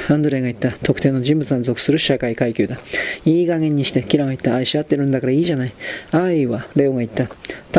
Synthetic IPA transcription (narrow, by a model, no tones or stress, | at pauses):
ãnd̪oɾe̞ŋɡait̪ːat̪o̞kɯ̟̥e̞ːno̞ʑĩmbɯ̟t͡sɨanzo̞kɯ̟̥sɨɾɯ̟ɕakaikaikʲɨːd̪aiːɡaŋẽ̞ɲ̟ːiɕi̥t̪e̞kʲiɾaŋɡait̪ːaːiɕiat̪ːe̞ɾɯ̟nd̪akaɾaiːʑanaiaiβaɾe̞ːoɡait̪ːat̪